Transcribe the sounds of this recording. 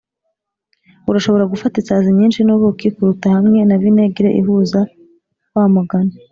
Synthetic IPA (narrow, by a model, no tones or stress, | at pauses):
uɾaʃo̞βo̞ɾaɡufatisaːzimɲiːnʃinoβokikuɾutahamŋe̞naβineɡiɾeʔḭɦuza | waːmaɡana